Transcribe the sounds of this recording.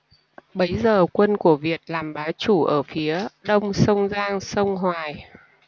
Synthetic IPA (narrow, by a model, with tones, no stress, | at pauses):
ɓə˨˦jzəː˨˩kwə˧nku˧˩əvi˨˩ət̚laː˨˩mɓaː˨˦wt͡ɕu˧˩ʔəː˧˩fi˨˦əɗə˧wŋ͡msə˧wŋ͡mzaː˧ŋsə˧wŋ͡mɦwaː˨˩j